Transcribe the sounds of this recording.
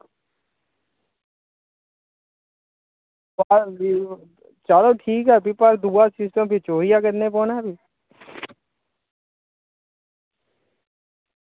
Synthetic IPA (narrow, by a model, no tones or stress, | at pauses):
paɾ | t͡ʃaːloʈʰiːkɦɛbʱipaɾd̪uːasɪsʈə̃mpit͡ʃoːɾijakɐɾnepɔːnaːbʱi